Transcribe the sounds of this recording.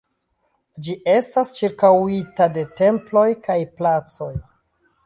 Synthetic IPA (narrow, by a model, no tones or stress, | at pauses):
d͡ʒiʔe̞stast͡ʃiɾkawitade̞te̞mplo̞jkajplat͡so̞j